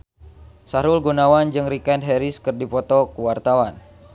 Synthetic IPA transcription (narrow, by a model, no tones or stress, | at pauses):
saɾulɡunawand͡ʒɨŋrikɛndɦɛɾiskɨrdipɔt̪ɔkuwart̪awan